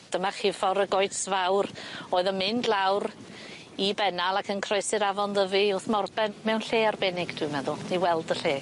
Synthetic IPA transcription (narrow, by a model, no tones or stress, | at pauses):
d̥əmaχɪfɔɾəɡojsvawroːɨðəmɪndlˠawɾ | ibɛnalˠakʰənkʰrɔɨsɪɾavɔnðəviʊθmɔrbɛnmɛwnɬeːarbɛnɪɡd̥ʰwɨmɛðʊniwɛlˠdəɬeː